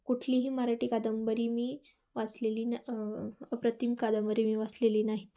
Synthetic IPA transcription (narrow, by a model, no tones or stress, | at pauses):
kuʈʰliːɦiːmaɾaʈiːkad̪əmbəɾiːmiː | ʋasleliːna | pɾət̪imkad̪əmbəɾiːmiːʋasleliːnaɦit̪